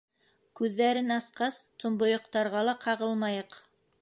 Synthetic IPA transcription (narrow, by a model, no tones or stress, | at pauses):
kʉðːæɾɘnɑsqɑst̪ŏmbŏjŏqt̪ɑɾʁɑlˠɑqʰɑʁɤlˠmɑjɤq